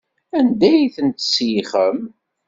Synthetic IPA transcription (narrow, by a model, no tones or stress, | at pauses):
ænd̪æjθənt̪sjiχəm